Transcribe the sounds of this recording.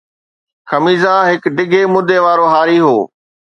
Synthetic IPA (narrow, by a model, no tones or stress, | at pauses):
xɐmiːzãɦɪkɖɪɡʱemʊd̪ʱeʋaːɾoɦaːɾiɦoː